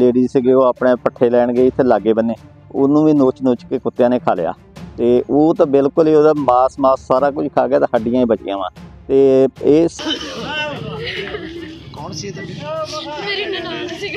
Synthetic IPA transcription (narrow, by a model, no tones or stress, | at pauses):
leːɖiːzsɪɡiːoːaːpɳeːpəʈʰːeːlɛːɳɡeːɪt̪ʰːeːlaːɡːeːbənːeː | ʊ̰nːũːʋĩːnoːt͡ʃnoːt͡ʃkeːkʊt̪ːjãːneːkʰaːleja̰ː | t̪eːʔoːt̪ãːbɪlkʊliːoːd̪aːmaːsmaːsːaːɾaːkʊt͡ʃkʰaːɡaːt̪ãːɦəɖɪjãːĩːbət͡ʃɪ̰jã̰ːʋãːt̪eːeːs | kɔːnsit̪ː